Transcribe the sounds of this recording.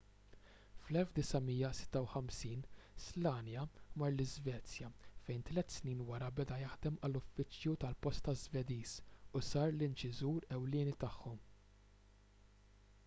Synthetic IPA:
flɛlfd̪ɪsɐmijːɐsɪ̥t̪ːɐwħɐmsiːnslɐːnjɐmɐɾlɪzvɛːt͡sjɐfɛjnt̪lɛt̪ːsniːnwɐɾɐbɛd̪ɐjɐħd̪ɛmɐlʊfːɪt͡sjut̪ɐlpɔst̪ɐzvɛd̪iːsʊsɐːɾlɪnt͡ʃɪzuːɾɛwlɪːnit̪ɐħːɔm

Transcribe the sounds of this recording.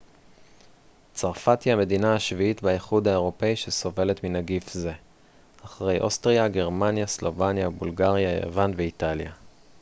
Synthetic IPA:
t͡saʁfat̪jame̞dinaaʃviitbaiχud̪hae̞ʁo̞pe̞iʃeso̞ve̞le̞tminaɡifze̞ | aχʁe̞jʔostʁiaɡe̞ʁmanjaslo̞vanjabulɡaʁjajḛvanve̞italja

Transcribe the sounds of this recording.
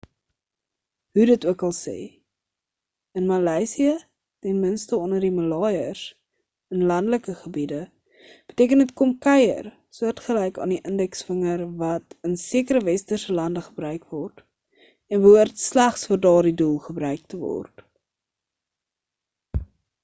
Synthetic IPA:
ɦudətuəkɐlˠsɛ̰j | ənmɐlɛːsiə | tɛnmənstəɔndərdiməlɑːjərs | ənlɐndələkəχəbidə | b̥ətiəkənətkɔmkɛjə̰r | suərtχəlɛjkɑ̰ːndiʔəndɛksfəŋərvɐtənsiəkəɾəvɛstərsəlɐndəχəbrœɥkvɔrt | ɛnvuərtslæχsfərdɑːrdidulˠχəbɾœɥk̚təvɔ̰rt

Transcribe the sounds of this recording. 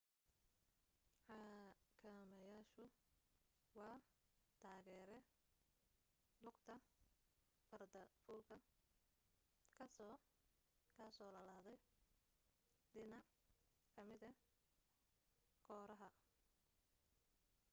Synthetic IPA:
ħɑːkʰɐmɐjaːʃʊ | wɑːt̪ʰaːɣɛːɾɛ | lʊɡt̪ʰɐ | bɐrd̪ɐfʊːlkʰɐ | kʰɐsɔː | kʰasɔːlɐlaːðɛj | d̪ɪnɐʕ | kʰɐmɪðɐ | kʰɔːɾɐɦɐ

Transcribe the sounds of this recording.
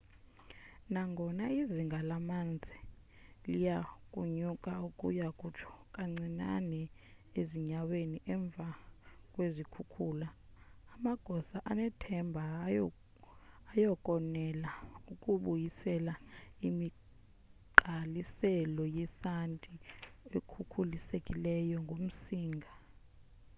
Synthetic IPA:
naŋɡʱɔnaiziŋɡʱalamand͡zʱi | lijakʼuɲukʼaukʼṵjakʼut͡ʃʰɔ̥kʼaŋ͡ǀina̰nɛeziɲaweniʔɛɱb̪vʱakʼwezikʰukʰuːlaː | maɡ̥ʱɔsaʔanɛtʰɛmbʱa | jɔkʼɔnɛlaukʼuɓujisɛlaimi | ǃalisɛlɔjɛsantʼiekʰukʰulisekʼilɛjɔŋɡʱom̩siːŋɡʱa

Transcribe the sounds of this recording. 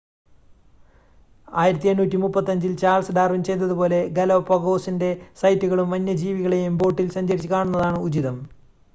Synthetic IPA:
aːjiɾɐt̪ːienːuːtʲːimupːɐt̪ːɐɲd͡ʑilt͡ɕaːlsɖaːrʋimt͡ɕe̞jt̪ːɐðupo̞ːle̞ɡɐlopːɐɡo̞ːsinde̞sɐjtːuɣɐɭumʋɐnːɐd͡ʑiːʋiɣɐɭe̞jumbo̞ːʈːilsɐɲd͡ʑɐɾit͡ɕːɨkaːɳunːɐðaːɳɨud͡ʑiðɐm

